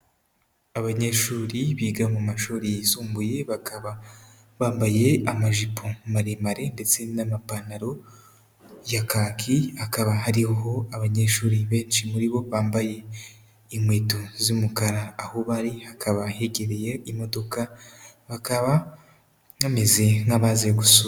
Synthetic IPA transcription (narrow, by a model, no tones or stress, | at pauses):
aβaɲe̞ʃuːɾiβiːɡamumaʃuːɾijisuːmbuje̞aβa | βaːmbaje̞amaʒipʰomaɾemaɾe̞nde̞t͡se̞namapanaɾo̞ | jakaːkʰihakaβaɦaɾihoɦo̞aβaɲe̞ʃuːɾiβe̞ːnʃimuɾiβo̞βaːmbaje̞ | imwe̞ːtozumukaɾaːhoβaɾihakʰaβahe̞ɡe̞ɾe̞jeimo̞do̞kaβakaβa | ame̞ze̞ŋaβazeɡusu